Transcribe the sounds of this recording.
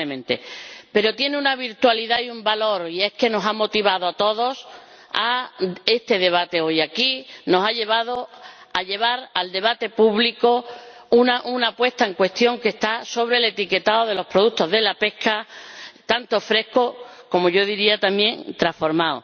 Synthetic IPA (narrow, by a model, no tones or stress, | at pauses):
emẽ̞nt̪e̞̰pe̞ɾo̞t̪je̞neunaβ̞iɾt̪waliðajumbalo̞ɾie̞ske̞no̞samo̞t̪iβ̞aðo̞at̪o̞ðo̞s | a̰e̞st̪e̞ðe̞β̞at̪e̞o̞jakino̞saʎe̞βað̞o | aʎe̞β̞aɾald̪e̞β̞at̪e̞puβlikounaʔunapwe̞st̪ae̞ŋkwe̞st̪jo̞ŋke̞st̪aso̞βɾe̞le̞t̪ike̞t̪aoð̞e̞lo̞hpɾo̞ðut̪o̞ɦðe̞lape̞hkat̪ant̪o̞fɾe̞hkoko̞mo̞ʝo̞ðiɾiat̪amje̞ŋt̪ɾasfo̞ɾmao̰